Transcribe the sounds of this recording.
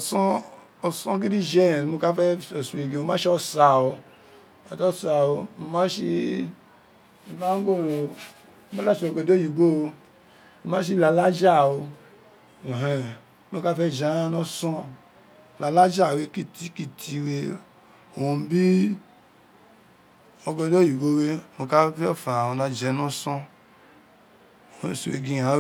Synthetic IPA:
ɔ˨sɔ˦ | ɔ˨sɔ̃˦k̬i˦di˦d͡ʒɛ˦˨mo˦ka˦fɛ˦o˨su˨e˨ɡe˨o˨mã˦ʃi˦ɔ˦sa˨wo˨ | a˨tɔ˦sa˨wo˨u˨ma˦ʃi˧˦˨ | ma˦ŋ˦ɡo˦lo˨˦ | ma˦la˦˨ʃo˨ɡo˨do˦ji˨ɡo˦˨ | o˨ma˦ʃ̬i˦la˨la˦d͡ʒa˦˨wo˨ | ɦɛ˨˦ | mo˧ka˦fɛ˦˨d͡ʒa˨˦a˦nɔ˦sɔ̃˦˨ | la˨la˦d͡ʒa˦˨we˨˦ki˦ti˦ki˦tʰi˧we˦˨ | o˨m˦bi˦ | o˨ɡɔ˧do˦ji˨ɡo˦we˦˨mo˨ka˦fɛ˦˨fa˨o˨nã˨d͡ʒɛ˨˦nɔ˦sɔ̃˦˨˦ | su˨wḛ˨ɡĩ˧ã˨˦

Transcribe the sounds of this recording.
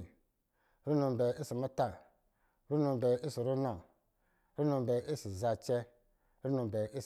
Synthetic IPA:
ɾu˦nu˧m˨bɛ˨i˦si˨mu˦ta˨ | ɾu˦nũ˧˨bɛ˨i˦si˨ɾu˦nɔ˨ | ɾu˦nũ˧m˨bɛ˨i˦si˨za˧t͡ʃɛ˦ | ɾu˦nũ˨˧˨bɛ˨i˦

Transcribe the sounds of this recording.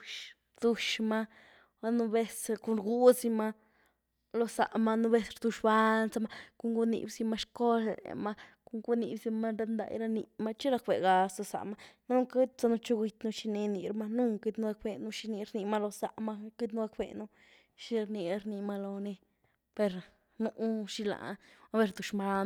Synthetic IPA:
ʃ | ɾd̪̥u˧ʃma˦ | ba˦nu˧be˦sku˧nɾɡu˦si˧ma˦ | lo˧sa̰˨ʔma˧nu˦be˧sɾd̪u˧ʃba˦nt͡sa˧˦ma˦ku˧˦ŋɡu˧nḭ˧˨bsi˧ma˧ʃko˦lḛ˨ma˦ku˧ŋɡu˦ni˧bsi˧ma˦ɾa˧nd̪a̰˧˨jɾa˧ni˧ma˦t͡ʃi˦ɾa˧kbḛ˨ɡa˧so˧sa̰˨ʔma˦nu˦ki˦t̪t͡sa˧nu˧t͡ʃo˦ɡi˧t̪nu˧ʃi˧ni˧ni˧ɾma˧nu˦ki˧d̪nu˦˧a˧k̚be˧nu˧ʃi˧ni˧ɾni˧ma˦lo˧sa˧ʔma˦ki˦d̪nu˦a˧k̚bḛ˧nu˧ | ʃi˧ɾni˧ɾni˧ma˧lo˧ni˧ | pe˧ɾ | nu˧˦ʃi˧la̰˨˦be˧ɾd̪u˨ʃma˦

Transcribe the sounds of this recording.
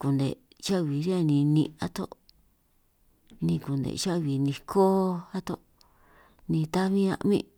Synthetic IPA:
ku˨nd̪ḛ˨ | t͡ʃa˦ʔβi˨ɾi˦a˧nĩ˧nḭ̃˧a̰˦t̪o˦ | nĩ˧ku˨nd̪ḛ˨ʃa˦ʔβi˨nĩ˧kʰo˦a˦t̪o˦˧ʔ | nĩ˧t̪a˦βĩ˦ã̰˧ʔmḭ̃˦

